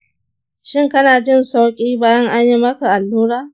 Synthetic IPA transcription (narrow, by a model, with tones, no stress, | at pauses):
ʃɪ˦˨ŋkɐ˦naː˨d͡ʒɪ˦˨nsa˦wkʲʼiː˦baː˦jɐ˦ŋʔa˦ɲji˦mɐ˦ka˨ʔa˨lːuː˦ɾaː˦